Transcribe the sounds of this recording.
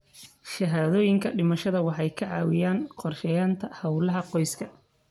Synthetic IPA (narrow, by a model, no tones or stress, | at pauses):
ʃɐɦaːðɔːjɪŋkʰɐɖɪmɐʃɐðɐwɑħɑjkʰɐʕɑ̰ːwɪjaːnqɔrʃɛjaːnt̪ʰɐhɐwlɐɦɐqɔjskʰɐ